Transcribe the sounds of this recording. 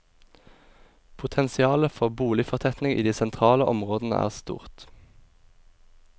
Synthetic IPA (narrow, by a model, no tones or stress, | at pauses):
pʰʊt̪ʰɛnsɪɑːləfɔʁbuːlɪfɔʁt̪ʰɛt̪nɪŋḭːd̪iːsɛnt̪ʰʁɑːləʔɔmʁoːd̪nə̰ʔæ̰ːʁst̪ṵːʁt̪